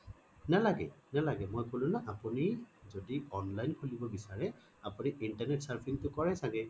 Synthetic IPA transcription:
nalaɡɛ̰nalaɡɛmojkolʊnaʔapunizodiɔnlajnkʰulibɔbisaɹɛ | apʊniʔintaɹnɛtsaɹpʰiŋtʊkɔɹɛsaɡɛ

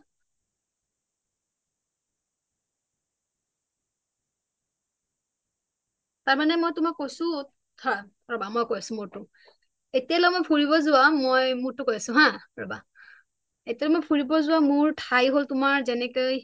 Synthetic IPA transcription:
taɹmanɛmojtʊmakːojsʊ̃ | tʰa | ɹɔbamojkojasʊ̃muɹtʊ | etialɔmojpʰuɹibɔzʊwamojmuɹtʊkojasʊ̃ɦãɹɔba̰ | etialɛmojpʰuɹibɔzʊwamʊɹtʰajɦoltʊmaɹzɛnɛkoj

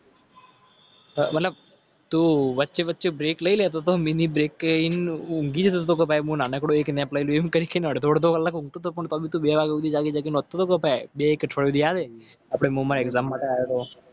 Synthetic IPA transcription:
mət̪ləb̚ | t̪uːʋətːʃeʋətːʃebɾeːkləilet̪ot̪ominibɾeːkːinũŋɡid͡ʒt̪ot̪ːt̪ok̬əpajmũːnaːnekɽoeːkneplailuemkəɾikənəɽd̪ʱoːɽd̪okəlːakũŋɡ̚t̪ot̪opəɳt̪ɔbʱit̪ubeʋaɡeud̪id͡ʒaɡid͡ʒaɡinot̪̚ːot̪okəpaebeeːkʈʰəɭjod̪ijaːd̪e | apɽ̃emũːmaːɾɛkzaːmːaːʈeaːjot̪o

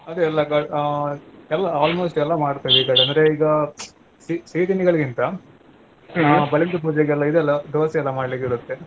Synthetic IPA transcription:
ɐd̪uɛlːɐkaɖ | ɛlːɐaːlmoːsʈɛlːɐmaːɽt̪ɐʋikɐɖɐnd̪ɐɾeiːɡɐ | sisiːt̪iniɡɐɭɡint̪ɐ | bɐlɐɳʈ̪up̬uːd͡ʒɛɡɛlːɐid̪ɛlːɐd̪iʋɐsɐɛlːɐmaːɽlikiɾut̪ːe

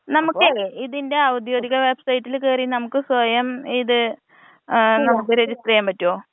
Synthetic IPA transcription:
nɐmukːɨiðinde̞ɐwud̪joːd̪iɣɐʋebsɐjitːilkeːrinɐmukːɨswɐjɐmiðɨ | nɐmuk̬ːɨɾe̞d͡ʑisʈrɐjaːmpɐtːoː

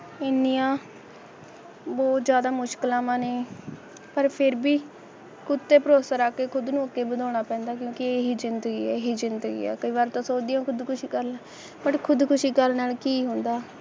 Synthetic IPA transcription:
ɪniːjãː | bɔːt̪zjaːd̪aːmʊʃkəlãːmãːnẽː | pəɾpʰɪɾbiː | kʊt̪ːeːpəɾoːsaːɾaːkeːkʰʊd̪nũːəkːeːbəd̪ɔːɽ̃aːpɛ̃ːnd̪aːk̬jõːkɪeːɦiːzɪnd̪ɡiːɛːɦiːzɪnd̪əɡḭːɛ̰ːkəiːβaːɾt̪õːsoːd̪ijãːkʰʊd̪kʊʃiːkəɾnaː | bəʈkʰʊd̪kʊʃiːkəlnaːlkiːɦʊ̃nd̪aː

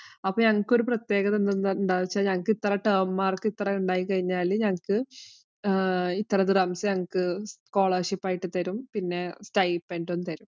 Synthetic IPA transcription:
ɐpːoːɲɐŋːɐkːo̞ɾuprɐt̪je̞ːɣɐt̪end̪unuɳɖaːʋit͡ɕːaːlɲɐŋːɐkːɨit̪ːɐrɐʈɐːmmaːrkɨit̪ːrɐuɳɖaːjikːɐɻiɲːaːlɲɐŋːɐkɨ | it̪ːɐrɐd̪irɐmsɐɲɐŋːɐkːɨko̞ːɭɐrʂipːaːjiʈːɨt̪ɐɾumpinːe̞sʈɐjpːeːnɖonːɨt̪ɐɾum

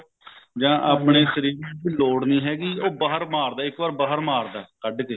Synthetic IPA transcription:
d͡ʒãːʔaːpɳeːsəɾiːɾ̃d̪iːloːɽniːɦɛːɡiːoːbaːɦəɾmaːɾd̪aːɪkʋaːɾbaːɦəɾmaːɾd̪aːkəɖeːt̪eː

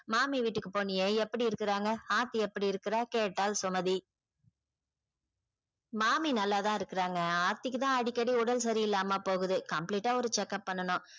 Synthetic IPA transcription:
maːmiʋiːʈːɯkːɯpoːnːɪjeːɛpːɐɽiɪɾɯkːɯɾaːŋɡɐhaːt̪ːiɛpːɐɽiɪɾɯkːɪɾaːkeːʈːaːlsʊmɐði | maːminɐlːaːt̪ãːɪɾɯkːɯɾaːŋɡɐaːɾt̪ɪkːɯt̪ãːɐɽɪkːɐɽiʊɽɐls̬ɐɾiɪlːaːmaːpoːɣɯðɯkɐmpliːʈːaːɔɾɯt͡ʃɛkːɐpːɐɳːɐnʊ̃

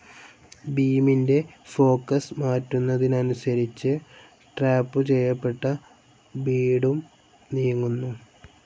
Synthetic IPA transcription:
biːminde̞fo̞ːkːɐsmaːtːunːɐðinɐnusɐɾit͡ɕːɨ | ʈraːpːɨt͡ɕe̞jːɐpːe̞ʈːɐ | biːɽum | nijuŋːunːu

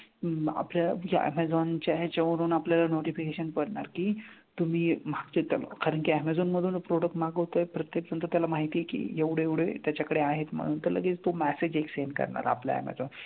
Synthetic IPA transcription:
a̰pljaja̰æ̰mɛd͡zɔnt͡ɕaɦet͡ɕeʋɾuːnapljalanoʈifikeɕənpəɽɳaɾkiː | t̪um̤iːmaɡd͡ʑet̪alkaɾəɳkiæmɛd͡zɔnməd̪ʱuːnpɾoɽək̚ʈmaɡɦot̪əjpɾət̪jek̚d͡zənt̪ət̪jalamaɦit̪iːekḭeʋɽ̤eeʋɽ̤et̪jat͡ɕakəɽeaɦet̪m̤ə̰ɽ̃uːnt̪əɾlə̰ɡeːt͡st̪omæsed͡ʑeksenkə̰ɾɳa̰ɾa̰plja̰æ̰mɛ̰d͡zɔn

